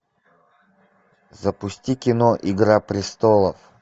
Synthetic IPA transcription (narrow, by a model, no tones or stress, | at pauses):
zəpʊsʲtʲikʲɪnoʔɪɡɾapɾʲɪst̪olˠəf